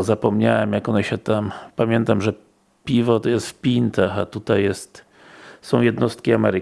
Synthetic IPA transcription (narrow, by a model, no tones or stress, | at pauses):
zapɔmɲawɛmjakɔnɛɕɛt̪ampamʲjɛnt̪amʐɛ | pʲivɔt̪ɔjɛst̪fpʲint̪axat̪ut̪ajɛst̪ | sɔ̃w̃jɛd̪nɔst̪kʲiamɛɾɘ